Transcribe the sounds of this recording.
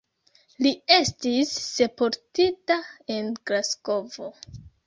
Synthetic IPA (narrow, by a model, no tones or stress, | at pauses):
lie̞stisːe̞poɾtitae̞nɡɾasko̞vo̞